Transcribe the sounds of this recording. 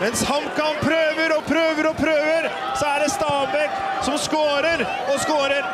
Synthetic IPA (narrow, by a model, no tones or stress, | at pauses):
mɛnshɑmkɑnpʰɾøːʋəɾɔpʰɾøːʋəɾɔpʰɾøːʋəɾ | sɔæɖɛst̪ɑːbɛkː | sɔmskoːɾəɾ | ɔskoːɾəɾ